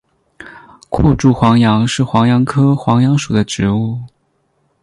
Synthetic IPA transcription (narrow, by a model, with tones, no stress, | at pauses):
kʰṵ˥˧ʈ͡ʂu˥˩xwɑ˧˥ŋjɑ˧˥ŋʂɻ̩˥˩xwɑ˧˥ŋjɑ˧˥ŋkʰɤ˥xwɑ˧˥ŋjɑ˧˥ŋʂu˨˩d̪ə˦ʈ͡ʂɻ̩˧˥u˥˩